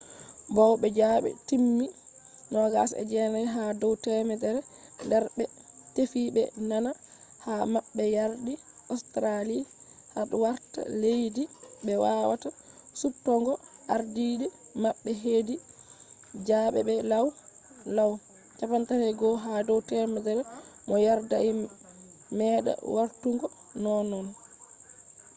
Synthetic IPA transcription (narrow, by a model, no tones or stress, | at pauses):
bawɓɛd͡ʒaɓɛ̰timːi | nɔɡa̰sɛ̰d͡ʒɛnajɦadɔwtɛmɛdɛɾɛ | ndɛɾbɛtefibɛ̰nanahamaɓːɛjaɾdiʔɔstɾalihaɗuwaɾta̰lejdiɓɛwawa̰tasutːɔŋɡɔʔaɾdiɗɛmaɓːɛɦedi | d͡ʒaːɓɛ̰bɛlaw | law | t͡ʃapantahɛɡɔɦadɔwtɛmadɛɾɛmɔjaɾda̰ʔi | mɛːɗa̰waɾtuŋɡɔnɔnɔn